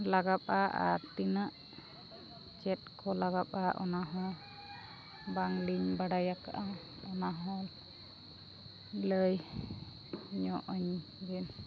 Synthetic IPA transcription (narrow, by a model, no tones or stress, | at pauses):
laɡap̚ʼaa̰ɾt̪inaʔ | t͡ʃɛt̪̚kʰɔlaɡap̚ʼaʔɔ̰naɦɔ̃ | baŋliɲbaɽajaka̰ʔa | ɔnaɦɔ̃ | ləj | ɲɔʔɔɲ | bin